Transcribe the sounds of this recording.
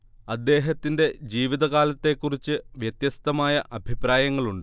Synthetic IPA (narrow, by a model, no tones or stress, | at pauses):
ɐd̪ːe̞ːɦɐt̪ːinde̞d͡ʑiːʋiðɐɣaːlɐt̪ːe̞kːurit͡ɕːɨʋjɐt̪jɐst̪ɐmaːjɐʔɐbʱipraːjɐŋːɐɭuɳɖɨ